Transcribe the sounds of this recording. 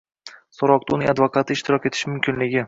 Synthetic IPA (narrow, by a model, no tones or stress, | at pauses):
sɒɾɒq̚t̪ʊnɪŋad̪vokʰat̪ʰɪɪʃt̪ɪɾɒkʲet̪ʰɪ̥ʃɪmʊmkʲʰɪnlɪɡʲɪ